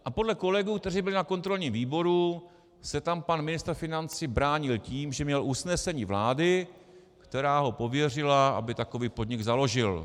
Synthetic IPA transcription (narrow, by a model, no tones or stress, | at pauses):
ʔapo̞dlɛko̞lɛɡuːk̚t̪ɛriːbɪlɪnako̞nt̪ɾo̞lɲimviːbo̞ɾu | sɛt̪ampanmɪnɪst̪ɾfɪnant͡sibɾaːɲɪlciːmʒɛmɲɛlʔusnɛsɛɲiːvlaːdɪ | kt̪ɛɾaːɦo̞po̞vjɛr̝ɪlaʔa̰bɪt̪ako̞viːpo̞d̪ɲɪɡzalo̞ʒɪl